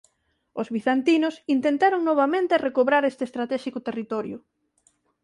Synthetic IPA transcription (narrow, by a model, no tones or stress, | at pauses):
ozβiθant̪inʊsint̪ent̪aɾoŋnoβamẽnt̪erekoβɾaɾest̪est̪ɾat̪ɛʃikʊt̪erit̪ɔɾjʊ